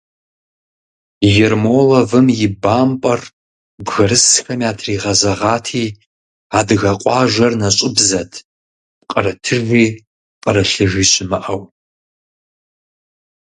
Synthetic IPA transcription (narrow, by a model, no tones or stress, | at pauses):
jɛrmoːlɐvɨmjɪbaːmpʼɐr | bɣɐɾɨsxɐmiaːtʰriːʁɐzɐʁɑːtʰiː | aːdɨɣɐqʷʼɑːʒʷɐrnɐɕʼɪbzɐtʰ | qʼɐɾɐtʰɨrvʷiː | qʼɐɾɐɬɨʒiːɕʼɪmɨʔɐw